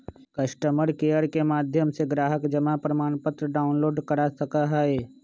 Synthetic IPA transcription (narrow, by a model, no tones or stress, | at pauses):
kɐʃʈəməɾkeːjəɾkemaːd̪ʱjəmseɡɾaːɦəkd͡ʒɐmapɾəmaːnpət̪ɾəɖaːʊnloːɖkɐɽasɐkaɦɛeː